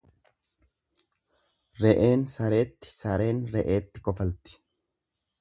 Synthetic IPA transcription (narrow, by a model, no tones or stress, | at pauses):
ɾɛʔeːnsɐɾe̞ːt̪ːɪ̥sɐɾe̞ːnɾɛʔe̞ːt̪ːɪkɔfɐlt̪ɪ̥